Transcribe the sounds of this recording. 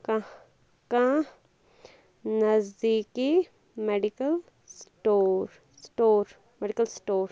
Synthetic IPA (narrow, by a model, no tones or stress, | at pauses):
ka | kã | nɐzd̪iːki | meːɖikəl | sʈoːɾ | sʈoːɾ | meɖikəlsʈoːɾ